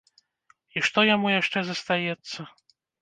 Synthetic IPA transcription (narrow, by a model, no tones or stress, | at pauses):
iʂt̪ɔjamujaʂt͡ʂɛzɐst̪ajɛt̪sːɐ